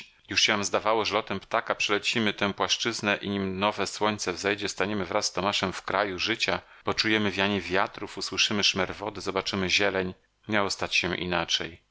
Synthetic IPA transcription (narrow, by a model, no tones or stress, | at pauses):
juʂɕɛvamzd̪avawɔʐɛlɔt̪ɛmpt̪akapʂɛlɛt͡ɕimɘt̪ɛ̃pwaʂt͡ʂɘznɛʔiɲimnɔvɛswɔɲʲt̪sɛvzɛjd͡ʑɛst̪aɲɛmɘvɾasːt̪ɔmaʂɛmfkɾajuʐɘt͡ɕa | b̥ɔt͡ʂujɛmɘvʲjaɲivʲjat̪ɾufuswɘʂɘmɘʂmɛɾvɔd̪ɘzɔbat͡ʂɘmɘʑɛlɛɲ | mɲawɔst̪at͡ɕɕɛʔḭnat͡ʂɛj